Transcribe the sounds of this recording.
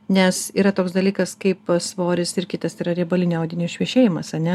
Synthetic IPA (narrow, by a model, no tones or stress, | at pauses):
nʲɛsiːɾɐt̪oːksd̪ɐlʲiːkɐskɐɪpsʋoːɾʲɪsɪrkʲɪt̪ɐsiːɾɐɾʲibɐlʲɪnʲɐʊd̪ʲɪnʲɪsʃʲʋʲiɛʃʲeːjɪmɐsɐnʲɛ